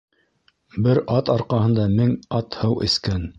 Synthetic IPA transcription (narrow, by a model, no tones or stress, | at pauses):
bɘɾɑt̪ɑɾqɑhɤ̆nd̪ɑmɘŋɑt̪hɤwʔɘ̰̆skæn